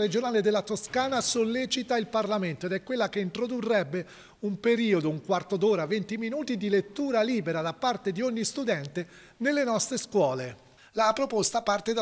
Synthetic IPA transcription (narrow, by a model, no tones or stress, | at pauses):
ɾed͡ʒonaːled̪elːat̪oskaːnasolːet͡ʃit̪ailparlament̪oed̪ɛkːwelːakeint̪ɾod̪urːɛbːe | umpeɾiːod̪ouŋkwart̪od̪oːɾavent̪iminuːt̪id̪ilet̪ːuːɾaliːbeɾad̪apːart̪ed̪ioɲːist̪ud̪ɛnt̪e | nelːenɔst̪ɾeskwɔːle | lapɾopost̪apart̪ed̪a